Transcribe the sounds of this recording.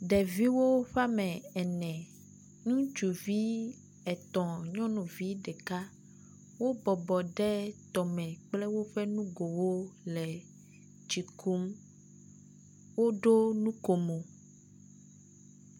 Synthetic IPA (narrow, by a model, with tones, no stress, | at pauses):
ɖɛ˨vi˦wo˦ɸa˦mɛ̃˨ɛ˨nɛ̃˨ | nũ˦d͡ʒu˨vi˦ | ɛ˨t̪ɔ̃˨ɲɔ̃˦nũ˨vi˦ɖɛ˨ka˦ | wo˦bɔ˨bɔ˨ɖɛ˦t̪ɔ˨mɛ̃˨k͡plɛ˦wo˦ɸɛ˦nũ˦ɡo˨wo˦lɛ˨ | d͡ʒi˨kʰu˦m | wo˦ɖo˦nũ˦ko˨mo˨